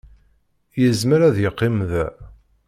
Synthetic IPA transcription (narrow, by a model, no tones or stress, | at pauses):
jəzməɾæðjəqːimðæ